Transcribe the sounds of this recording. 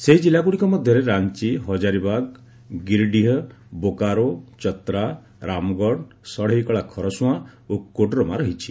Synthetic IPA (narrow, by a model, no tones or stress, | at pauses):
seɦid͡ʒilːaɡuɽikɔmɔd̪ʱjɔɾeɾant͡ʃiɦɔd͡ʒaɾibaɡ | ɡiɾɖiɦɔbokaɾot͡ʃɔt̪ɾa | ɾamɔɡɔɽ | sɔɽeɦjkɔɭakʰɔɾɔsũaokːoɖɾɔmaɾɔɦit͡ʃʰi̥